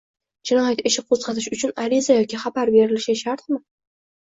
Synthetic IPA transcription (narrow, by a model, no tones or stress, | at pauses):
d͡ʒɪnɒjat̪ɪʃɪqʰozqɑt̪ʰɪʃʊt͡ʃʰʊnaɾɪzajɒkʲʰɪχabaɾbe̞ɾɪlɪʃaʃaɾt̪mɪ